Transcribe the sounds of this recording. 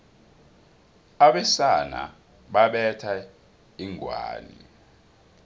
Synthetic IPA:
aɓɛsana̰ | ɓaɓɛtʰa | iŋʱwa̰ːni

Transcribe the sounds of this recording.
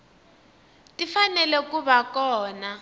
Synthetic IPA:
tifanɛlɛkubakɔːna

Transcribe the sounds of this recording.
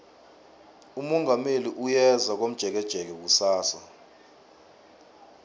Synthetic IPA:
umɔŋɡameliʔujɛzak̬om̩dʒ̥ʱɛk̬ɛd̥ʒ̥ʱɛk̬ɛk̬usaːsa

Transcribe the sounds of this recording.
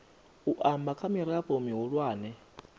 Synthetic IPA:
uʔambakʰʼamiɾaɸomiɦuɺwaːnɛ

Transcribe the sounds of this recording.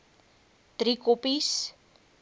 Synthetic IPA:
t̪ɾikopis

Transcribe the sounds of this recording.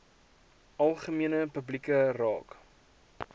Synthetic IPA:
ʔɐlˠχəmiənəpəblikərɑ̰ːk

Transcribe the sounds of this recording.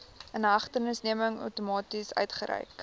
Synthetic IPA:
ənɦɐχtənəsniəməŋœ̰wtumɑːtisœ̰ɥtχəɾɛ̰jk

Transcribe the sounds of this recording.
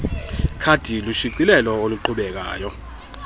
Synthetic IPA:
kʰad̥ʱiluʃiǀilɛlɔoluǃʰuɓɛk̬a̰ːjɔ

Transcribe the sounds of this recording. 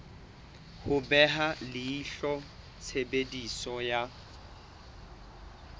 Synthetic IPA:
hʊbɛɦalɪːɬɔ | t͡sʰebedisɔja

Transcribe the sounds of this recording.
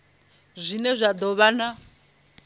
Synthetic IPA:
zʷinɛzʷad̪ɔβana

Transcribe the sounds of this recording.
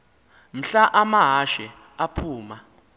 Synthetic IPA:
m̩ɬaʔamaɦaʃɛ | apʰuːma

